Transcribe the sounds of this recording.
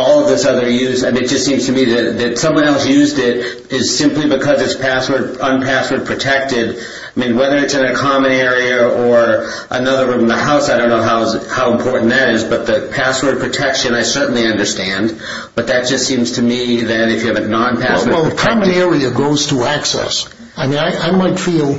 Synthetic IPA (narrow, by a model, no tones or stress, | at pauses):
ɔlˠʌvðɪsʌðə˞jʉzamĩnɨt̚ʒ̥ʌstsĩmz̥tʰɨmiðɨðɨtsʌ̃mwʌ̃ñɛlˠsjʉzdɪɾ | ɪz̥sɪ̃mplibɨkʰʌzɨtspʰæswə˞d̚ə̃npʰæswə˞d̚pʰɹ̥ɨtʰɛk̚tɪd | aɪmĩnwɛðə˞ɨtsɨ̃nɨkʰɑmɨ̃nɛɹiɨə˞ | ʔənʌðə˞fʌ̃mðəhaʊsaɪɾõʊ̃nːoʊɦaʊhaʊə̃mpʰɔɹʔn̩ðɨɾɪzbʌt̪̚ðɨpʰæswə˞d̚pʰɹ̥ɨtʰɛkʃɨ̃naɪsɜ˞ʔn̩liʌ̃ndə˞stæ̃nd | b̥ʌt̪̚ðɨt̚d̥ʒ̥ʌstsĩmz̥tʰɨmiðɨɾɨfjɨːvɨnɑ̃npʰæswɛlˠðkʰɑmɨ̃nɛɹiɨɡoʊz̥tʰəæksɛ̰s | aɪmĩnaɪʔaɪmaɪtfilˠ